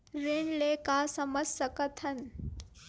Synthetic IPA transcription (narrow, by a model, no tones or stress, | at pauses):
ɾeɳleːkaːsɐmɐsɐkɐt̪ʰɐn